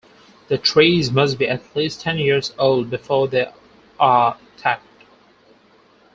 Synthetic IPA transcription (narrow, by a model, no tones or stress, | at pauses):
ðɨtʰɹ̥eɪzmʌs̚biʔɨtʰlistʰɛ̃njɪɹzoʊlˠd̚bɨfɔɹðe | ʔətʰæk̚t̚